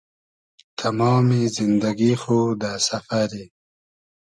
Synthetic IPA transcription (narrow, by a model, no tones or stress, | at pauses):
t̪ʰamɑːmizind̪aɡixod̪asafaɾi